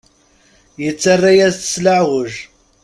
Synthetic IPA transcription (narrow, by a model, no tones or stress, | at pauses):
jət͡sːarˤːajæzθə̥slaʕʁʊʒ